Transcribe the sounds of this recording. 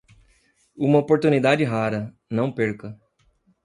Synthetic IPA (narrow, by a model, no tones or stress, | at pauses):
ũmɐopoɾt̪unid̪ad͡ʒɪɦaɾɐ | nɐ̃w̃peɾkɐ